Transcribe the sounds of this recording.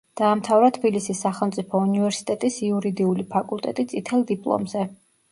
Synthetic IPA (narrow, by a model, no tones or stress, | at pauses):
d̪̥aːmt̪ʰavɾat̪ʰbilisisːaχɛlˠmt̪sʼipʰɔunivɛɾsi̥t̪ʼɛt̪ʼisiuɾid̪iulipʰakʼulˠt̪ʼɛ̰t̪ʼit̪sʼit̪ʰɛlˠd̪ipʼlˠɔ̰mzɛ